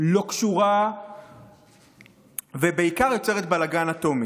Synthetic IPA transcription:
lo̞kʃuʁa | vebe̞ikaʁjo̞t͡se̞ʁet̪balaɡanat̪o̞mi

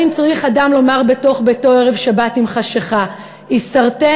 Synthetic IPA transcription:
imt͡sʁiχadamlo̞maʁbe̞to̞χbeto̞eʁe̞vʃabatimχaʃeχa | isaʁte

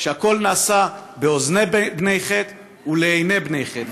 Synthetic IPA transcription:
ʃeako̞lnaːsabeoznebnejχet̪ | uleejne̞bnejχet̪

